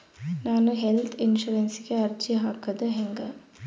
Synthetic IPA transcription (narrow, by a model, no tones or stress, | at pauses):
naːnuɦelt̪ʰinʃuɾensiɡeɐɾt͡ʃiɦaːkɐd̪uɦeŋɡɐ